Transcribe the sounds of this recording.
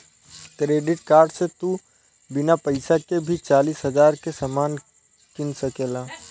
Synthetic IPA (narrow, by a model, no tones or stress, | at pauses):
kɾeːɖɪʈkaːɾɖset̪u | bɪnapəɪsakebʱit͡ʃaːliːsɦəd͡ʒaːɾkesamaːn | kɪnsəkeːlaː